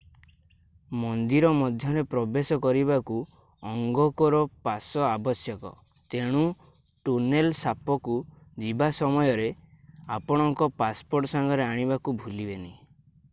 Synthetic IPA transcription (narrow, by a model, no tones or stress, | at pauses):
mɔnd̪iɾɔmɔd̪ʱjɔɾepɾɔbesɔkɔɾiβaku | ɔŋɡɔkɔɾɔpasɔabɔsjɔkɔ̰ | t̪eɽ̃u | ʈunelsapɔkud͡ʒibasɔmɔjɔɾe | apɔɽ̃ɔŋkɔpaspoɾʈɔsaŋɡɔɾeaɽ̃ibakubʱulibeni